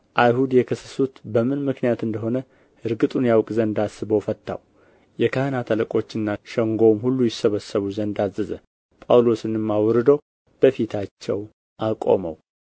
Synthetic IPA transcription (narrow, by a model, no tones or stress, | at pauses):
ʔajhud̪jɛkʰəsːə̥sut̪bəmɨnmɨknijat̪ɨnd̪əɦo̞nə | ʔɨɾɡɨt̪ʼunjawkʼzənd̪asɨβəwfət̪ʰːa̰w | jɛkʰahɨnat̪ʰələkʼo̞t͡ʃːɨnːaʃəŋɡo̞mhulːujɪsːəβəsːəβuzənd̪azːɨzə̰ | pʼawlo̞sɨnɨmːawɾɨd̪əw | b̥əfit̪ʰat͡ʃːɛw | ʔakʼo̞̰mə̰w